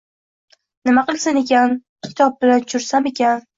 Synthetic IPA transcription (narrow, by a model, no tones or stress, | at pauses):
nɪmaqɨlˠsɪne̞kʲan | kʲʰɪ̥t̪ʰɒp̚bɪlant͡ʃʰʊɾsame̞kʲan